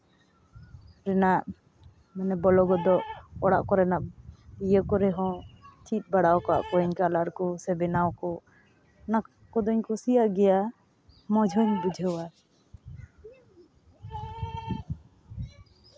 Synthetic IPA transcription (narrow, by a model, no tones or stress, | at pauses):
ɾɛnaʔ | mɛnɛbɔlɔɡɔd̪ɔʔɔɽaʔkɔɾɛnaʔ̚ijəkɔɾɛɦɔ̃t͡ʃʰit̪̚ˀbaɽawkɔa̰ʔkɔɛɲkalaɾkɔsɛbɛnawkɔ | nak | kɔd̪ɔɲkɔsijaʔɡɛja | mɔd͡ʒʱɔɲbud͡ʒʱəwa